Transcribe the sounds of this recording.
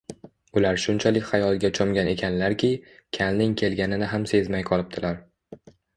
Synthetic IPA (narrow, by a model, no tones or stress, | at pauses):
ʊlaɾʃʊnt͡ʃʰalɪkʲχajɒlˠɡʲat͡ʃʰɒmɡʲane̞kʲʰanlaɾkʲʰɪkʲʰalnɪŋkʲʰe̞lɡʲanɪnɪɦamse̞zmajqʰɒlˠɪp̚t̪ʰɪlaɾ